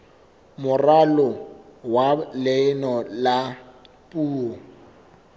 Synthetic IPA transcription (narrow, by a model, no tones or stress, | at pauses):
mʊralɔwalɪnɔla | pʼuːɔ